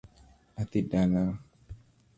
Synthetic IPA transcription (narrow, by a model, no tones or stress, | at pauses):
at̪idana